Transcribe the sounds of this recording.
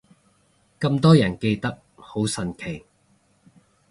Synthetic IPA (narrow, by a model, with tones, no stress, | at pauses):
kɐ˧mt̪ɔː˥jɐ˨˩nke˧jt̪ɐ˥k̚ho˨˥wsɐ˨˧nkʰe˨˩j